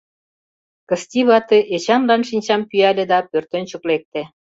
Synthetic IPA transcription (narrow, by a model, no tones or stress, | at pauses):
kə̆st̪ʲiβɑt̪eʔet͡ɕɑnlɑnʃinʲt͡ɕɑmpyælʲĕd̪ɑpørt̪ə̆nt͡ɕuklek̚t̪ĕ